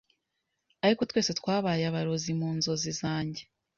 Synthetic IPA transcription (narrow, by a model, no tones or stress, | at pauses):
aɾikotweːset̪waːβaːjaβaɾo̞zimuːnzo̞zizaːɲɟe̞